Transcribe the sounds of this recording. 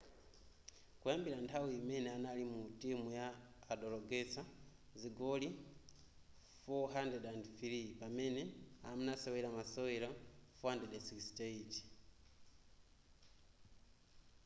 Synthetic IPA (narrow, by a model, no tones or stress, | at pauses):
kujambiɾantʰawiimɛnɛanalimutimujaːɗɔlɔɡɛsa | ziɡɔli | fɔɦandɛdandθiɾipamɛnɛa̰munasɛwɛɾamasɔwɛɾafɔhandɛdɛsikstɛit